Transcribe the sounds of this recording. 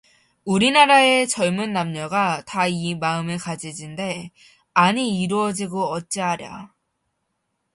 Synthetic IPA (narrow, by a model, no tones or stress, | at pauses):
uɾinaɾae̞t͡ɕʌɭmunːamɲʌɡataimaɯmɯɭkad͡ʑid͡ʑinde̞ | aɲiːɾuʌd͡ʑiɡoʌt̚t͡ɕ͈iɦaɾja̰